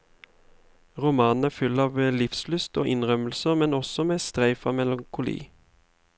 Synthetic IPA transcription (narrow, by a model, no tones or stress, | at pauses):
ʁʊmɑːnn̩æːfʏlɑːʋlɪfslʉst̪oːʔɪnʁœməlsəmɛnɔsɔmeːst̪ʁæɪfɑːmɛlɑŋkʰʊlḭː